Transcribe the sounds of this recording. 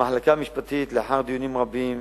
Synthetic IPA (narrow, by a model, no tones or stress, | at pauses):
maħlakaːmɪʃbat̪iːt̪lɪħaɾd̪juniːmɾˤɑbːiːm